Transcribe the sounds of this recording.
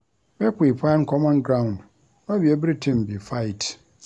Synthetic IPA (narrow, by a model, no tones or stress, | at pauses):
bɛkeipʰankʰɔmɔ̃nɡɾãw̃nd | ñbiɛbɾitʰĩmbifaɪt